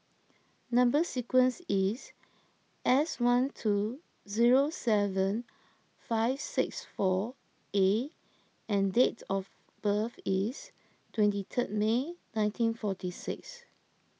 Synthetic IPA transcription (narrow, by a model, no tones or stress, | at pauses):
nãmbəsikwə̃nsis | ʔɛswãntʰu | ziɹosɛvə̃n | faɪv̥sɪksfɔ | e | ɛ̃ndetɔf | b̥əfis | tʰwɛ̃ntitʰət̚menãɪ̃ntʰĩnfɔtisɪ̰ks